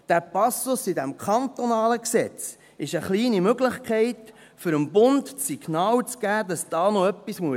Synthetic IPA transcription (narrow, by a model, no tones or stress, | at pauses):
d̪̥æːɾpɑsʊsidæmkχɑnt̪onɑːləksɛt͡s | ɪʃəχliːnimøɡləχkχɛɪt | fʏɾəmbʊndsiɡ̥nɑːlt͡sɡ̥æːdɑsd̥ɑːnoœpːismuə